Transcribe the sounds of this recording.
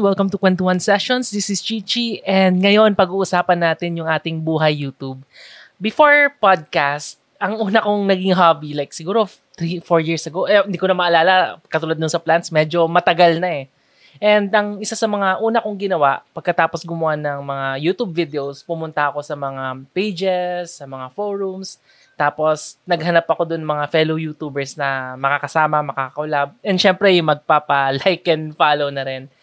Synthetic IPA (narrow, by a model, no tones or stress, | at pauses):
wɛlˠkɐmt̪ʊkwɛnt̪ʊwɐnsɛʃonsd̪isɪst͡ʃit͡ʃiʔɛnd̪̚ŋɐjo̞npɐɡuːʔʊsaːpɐnːaːt̪ɪnjʊŋʔaːt̪ɪŋbuːɦɐjːuːt̪ub̚ː | ɪfoɹpad̪̚kast̪̚ɐŋʔuːnɐkoŋnɐɡɪŋɦaːbilajk̚sɪɡuːɾo | t̪ɾifoɹjiɹsɐɡoʔɛɪnd̪iːkonɐmɐʔɐlaːlɐkːɐt̪uːlad̪̚ʊnsɐplant̪smɛd͡ʒo̞mɐt̪ɐɡalnɐɛ | ʔɛnd̪ʔɐŋɪsasɐmɐŋaʔuːnɐkʊŋɡɪnɐwaʔpɐɡ̚kɐt̪aːposɡʊmʊanɐŋmɐŋajuːt̪ubvid̪ɛospʊmʊnt̪ɐʔɐko̞sɐmɐŋapejd͡ʒɛsːɐmɐŋafoɹums | t̪aːpo̞snɐɡɦɐnapːɐko̞d̪ʊnmɐŋafɛlowjuːt̪uːbɛɹsnɐmɐkakɐsaːmɐmɐkaːkɐʊlab̚ʔɛnʃɛmpɾɛjʊŋmɐɡ̚papɐlajkɛnfaːlownɐɾɛn